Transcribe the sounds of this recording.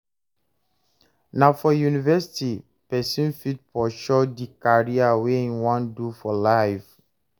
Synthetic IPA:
nãfɔjunivɛsi̥ti | pɛsĩnfit̚pɔʃɔdikaɹiaweĩwãndufɔlaɪf

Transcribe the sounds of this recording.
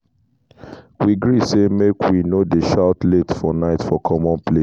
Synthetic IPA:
wiɡɹisemekʰwinodeʃaʊtletfɔnaɪtfɔkʰɔmɔ̃npʰle

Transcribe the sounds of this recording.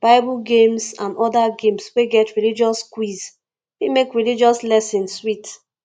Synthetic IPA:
b̥aɪbuɡẽmsãnɔdaɡẽmsweɡɛtɹilid͡ʒɔskwiz | wimekɹilid͡ʒɔslɛsĩnsːwit

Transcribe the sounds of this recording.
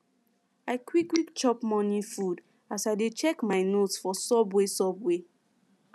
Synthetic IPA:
aɪkwikwikt͡ʃɔpmɔ̃nifud | asajdet͡ʃɛkmaɪnotsfɔsɔbwɛsɔbwɛ

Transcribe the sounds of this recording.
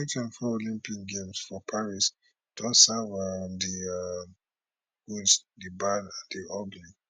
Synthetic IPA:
ikãnfɔolĩmpikɡẽmsfɔpʰaɹis | d̥ɔsavandim | ɡũnsdibanandiɔɡli

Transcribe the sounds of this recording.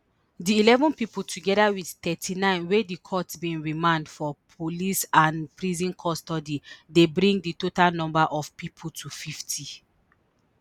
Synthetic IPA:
diːlɛvɔ̃npipul̩tʰuɡɛdawidtɛtʰinãɪ̃nwedikʰɔtbĩnɹimãndfɔpʰolisãnpɹizĩnkʰɔstɔdidebɹĩŋɡditotalnɔ̃mbaʔɔfpipʰutʰufiftʰi

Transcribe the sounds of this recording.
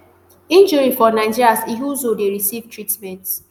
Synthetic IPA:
ĩnd͡ʒuɹifɔnaɪd͡ʒiɾasiɦuzodeɹisivtʰɹitmɛ̃nt

